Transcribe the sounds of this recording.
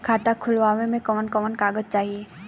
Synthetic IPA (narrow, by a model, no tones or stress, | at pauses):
kʰaːt̪akʰʊlʋaːʋẽmẽkɔːnkɔːnkaːɡəd͡ʒt͡ʃaːɦieː